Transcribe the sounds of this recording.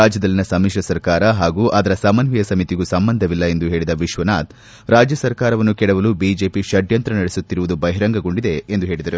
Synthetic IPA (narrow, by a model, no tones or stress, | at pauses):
aːd͡ʒjɐd̪ɐlːinɐsɐmiːʃɐsɐɾkaːɾɐɦaːɡuːʔaːd̪ɐɾɐsɐmɐnʋijɐsɐmit̪iɡusɐmbɐnd̪ʱɐʋilːɐe̞nd̪uɦe̞ːɭid̪ɐʋiʃʋɐnaːt̪ | ɾaːd͡ʒjɐsɐɾkaːɾɐʋɐnːukɛɽɐʋɐluːbiːd͡ʒe̞ːpiʃɐɖʱjɐnt̪ɾɐnɐɽesut̪ːiɾuʋud̪ubɐɦiɾɐŋɡɐɡo̞ɳɖid̪e̞ːnd̪uɦe̞ːɭid̪ɐɾu